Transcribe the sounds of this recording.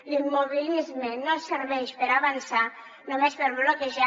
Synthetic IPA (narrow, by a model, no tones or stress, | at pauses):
limːoβilizmenːoseɾβɛʃpəɾaβansa | nomespeɾβlokeʒa